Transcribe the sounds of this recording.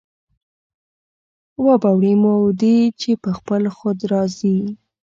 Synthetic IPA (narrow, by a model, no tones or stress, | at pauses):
wabawɽimowd̪it͡ʃepəxpəlxod̪ɾɑzi